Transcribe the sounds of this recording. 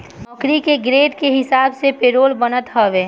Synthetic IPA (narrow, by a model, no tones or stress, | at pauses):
ɔkɾikeɡɾeːɖkeɦɪsaːbsepeːɾoːlbənət̪ɦɔʋeː